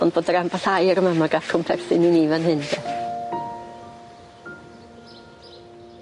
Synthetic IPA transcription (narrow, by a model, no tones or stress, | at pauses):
ɔnb̥oːdəɾambaɬajɾəmamaɡatkʰɔmpʰɛrsɪninivanhɨndɛ